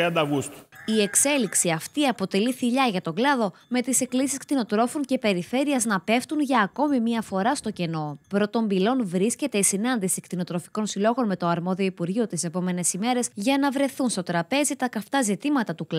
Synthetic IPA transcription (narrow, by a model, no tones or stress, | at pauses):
iɐnd̪ɐɣust̪u̥ie̞kse̞liksiɐft̪iɐpo̞t̪e̞liθiʎɐʝɐt̪o̞ɡlɐðo̞me̞t̪ise̞klisiskt̪ino̞t̪ɾo̞fonce̞pe̞ɾife̞ɾiɐznɐpe̞ft̪unʝɐːko̞mimiɐfo̞ɾɐst̪o̞ce̞no̞pɾo̞t̪o̞mbilo̞nvɾisce̞t̪e̞isinɐnd̪isikt̪ino̞t̪ɾo̞fiko̞nsilo̞ɣo̞nme̞t̪o̞ɐɾmo̞ðio̞ipuɾʝio̞t̪ise̞po̞me̞ne̞sime̞ɾe̞sʝɐnɐvɾe̞θunst̪o̞t̪ɾɐpe̞zit̪ɐkɐft̪ɐzit̪imɐt̪ɐt̪uk